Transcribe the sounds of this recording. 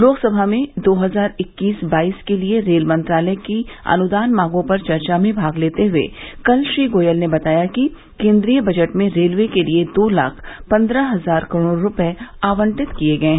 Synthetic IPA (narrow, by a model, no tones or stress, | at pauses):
loːɡsɐbʱamẽd̪oːɦɐzaːɾɪkːiːsbaːiːskelieɾeːlmɐ̃nt̪ɾaːləjkiɐ̰nʊd̪aːnmãːɡõpɐɾt͡ʃɐɾt͡ʃamẽbʱaːɡleːt̪eɦʊḛkɐlʃɾiːɡoːjəlnebɐt̪aːjaki | kẽːnd̪ɾijəbɐd͡ʒəʈmẽɾeːlʋekelied̪oːla̰ːkʰpɐ̃nd̪ɾaɦɐzaːɾkɐɾoːɽoɾʊpɛeaːʋə̃ɳʈɪt̪kieɡɐẽɦɛ̃